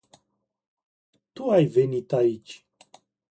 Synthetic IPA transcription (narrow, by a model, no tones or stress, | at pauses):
t̪uajvenit̪ait͡ʃʲ